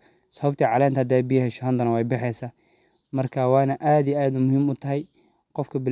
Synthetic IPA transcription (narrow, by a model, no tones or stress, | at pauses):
sɔɐbt̪ʰiːʕɑlɛːnt̪ʰɐɐd̪ɛːbɪjɐɦɛʃɐɦɐnd̪ɐnɐwɛjbɪħɛjsaː | mɐrkʰaːwɑːnɐʔaːd̪ijaːd̪ʊmʊɦiːmʊt̪ʰɐɦɛj | qɔfkʰɐbɪl